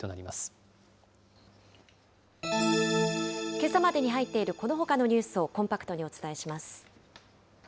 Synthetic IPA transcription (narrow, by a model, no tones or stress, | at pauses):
t̪onaɾʲimasɨ̥ | ke̞samad̪e̞ɲ̟iɦait̪ːe̞iɾɯ̟ko̞no̞ɦo̞kano̞ɲ̟ɨːsɨo̞kõ̞mpakɯ̟̥t̪o̞ɲ̟io̞t͡sɨ̥t̪ae̞ɕimasɨ̥